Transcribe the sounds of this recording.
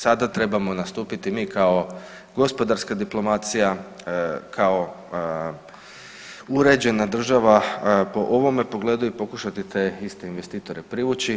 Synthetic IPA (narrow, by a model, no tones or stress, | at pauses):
sad̪at̪ɾe̞bamo̞nast̪uːpit̪imiːkao̞ | ɡo̞spo̞d̪aɾskad̪iplo̞mat̪sija | kʰao̞ | uɾe̞d͡ʑe̞nad̪r̩ʒaʋapo̞ʔo̞ʋo̞me̞po̞ɡle̞ːd̪uipo̞kuʃat̪it̪e̞ist̪e̞inʋe̞st̪iːt̪o̞ɾe̞pɾiʋut͡ɕi